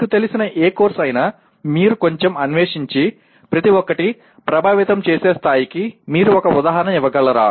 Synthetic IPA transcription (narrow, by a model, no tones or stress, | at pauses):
ʈut̪elisinɐʔeːkoːɾsɐjnaː | miːɾuko̞ɲt͡ʃemɐnʋeːʂiɲt͡ʃi | pɾɐt̪iʋɔkːɐʈi | pɾɐbʱaːʋit̪ɐmt͡ʃeːseːst̪ʰaːjikimiːɾuɔkɐud̪aːɦɐɾɐnɐmiʋɐɡɐlːɐɾa̰ː